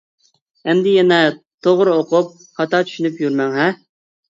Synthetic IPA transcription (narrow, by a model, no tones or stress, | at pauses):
ɛmd̪ɪjɛnɛt̪ʰoʁɾoqʊp̚ | χɑt̪ɑt͡ʃ̪ʰy̥ʃynypjyɾmɛŋɦɛ